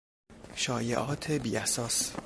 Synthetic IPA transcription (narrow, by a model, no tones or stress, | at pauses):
ʃɒːjḛʔɒːt̪ʰebiːæsɒːs